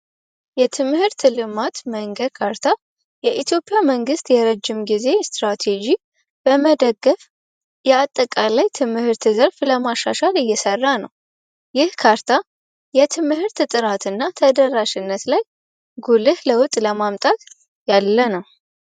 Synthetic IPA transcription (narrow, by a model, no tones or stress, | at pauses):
jɛt̪ʰɨmhɨɾt̪ʰɨlɨmat̪məŋɡəd̪kʰaɾt̪ʰa | jɛʔit̪ʰjo̞pʼːɪjaməŋɡɨst̪jɛɾəd͡ʒːɪmɡize̞st̪ɾat̪ʰe̞d͡ʒi | b̥əməd̪əɡːəf | jɛat̪ʼːəkʼalajt̪ʰɨmhɨɾt̪ɨzəɾfləmaʃːa̰ʃalɨjːɛsərːanə̰w | jɪhkʰaɾt̪ʰa | jɛt̪ʰɨmhɨɾt̪ɨt̪ʼɨɾat̪ʰɨnːat̪ʰəd̪ərːaʃɪnːət̪laj | ɡulɨhləwʊt̪ʼləmamt̪ʼat̪ | jalːənəw